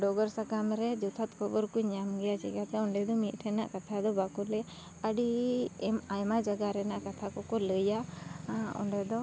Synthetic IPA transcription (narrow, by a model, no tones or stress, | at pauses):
ɖɔɡɔɾsakamɾɛd͡ʒɔt̪ʰat̪kʰɔbɔɾkuɲamɡɛjat͡ʃḭɡat̪ɛɔɳɖɛd̪ɔmit̪̚ˀʈʰɛna̰ʔkat̪ʰad̪ɔbakɔlɛ | əɖiɛmajmad͡ʒaɡaɾɛnaʔkat̪ʰakɔkɔləja | ɔ̰ɳɖɛd̪ɔ